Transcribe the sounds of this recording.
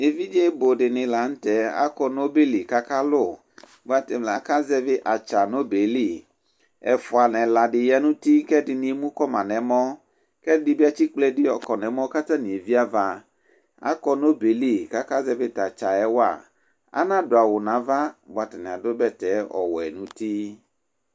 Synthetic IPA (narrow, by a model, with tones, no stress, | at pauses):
e˨vi˦d͡ʒe˦bo˨ɖɪ˨nɪ̃˨la˨n̩˦tɛ˨˦a̰˦kɔ˦no˦be˦li˨ka˦ka˦lʊ˦˨ | bʊ˦a˦tɪ˨mla˨ka˦zɛ˦vɪ˦ʔa˨t͡ʃa˨no˦be˨li˦˨ | ɛ˨fʊ˨a˨nɛ̃˨la˨dɪ˨ja˦nũ˦ti˦kɛ˦dɪ˨nɪ̃˦mũ˦kɔ˦mã̰˨nɛ̃˨mɔ̃˦ | kɛ˦dɪ˨bi˦a˦t͡ʃi˦k͡plɛ˦dɪ˦ɔ˨kɔ˨nɛ̃˨mɔ̃˦ka˦t̪ã˦nĩ˨e˨vi˦a˦va˦ | a̰˦kɔ˦no˦be˨li˦˨ka˦ka˦zɛ˦bɪ˦ta˨t͡ʃa˨ɛ˦wa̰˨ | a̰˦nã˦dʊ˨a˨wʊ˨nã˨˦va˦bʊ˨a˨tɪ˨nɛ̃˨a˨dʊ˦bɛ˦tɛ˨˦ɔ̰˨wɔ˨ɛ̰˨nũ˦t̪i˦